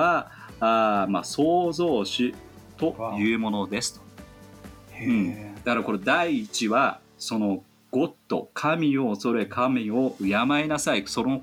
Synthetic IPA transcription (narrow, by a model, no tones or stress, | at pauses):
aaːma̰so̞ːzo̞ːɕi | t̪o̞jɯ̟ːmo̞no̞d̪e̞sɨ̥t̪o̥ | ɯ̃ɴd̪akaɾako̞ɾo̞d̪aiːt͡ɕiβa | so̞no̞ | ɡ̥o̞t̪ːo̞̰kʰamʲio̞ːso̞ɾe̞kʰamʲio̞ɯ̟jamaenasaiso̞no